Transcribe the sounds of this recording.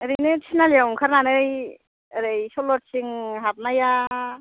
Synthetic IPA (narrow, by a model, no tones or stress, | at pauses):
ɾijnɯtʰinalamkʰaɾnanɯɾj | ɾɯjsɔlɔtsiŋɦap̚naja